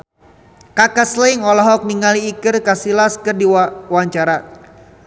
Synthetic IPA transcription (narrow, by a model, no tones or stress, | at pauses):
kakasləŋɔlɔɦɔk̚niŋaliːkɨrkasilaskɨrdiwaɲt͡ʃaɾa